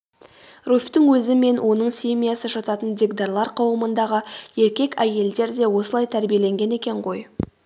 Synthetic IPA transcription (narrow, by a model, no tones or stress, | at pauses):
rufʲt̪ɪŋwɵzɪme̞nwʔo̞nəɴsʲemʲijasəʒɑt̪ɑt̪ənd̪ʲeɡd̪ɑɾlˠɑɾqʰɑwəmənd̪ɑʁəje̞ɾkʲe̞kʲæje̞ld̪e̞ɾd̪e̞wo̞səlˠɑjt̪ʰæɾbije̞le̞ŋɡʲe̞ne̞kʲe̞ɴqʰo̞j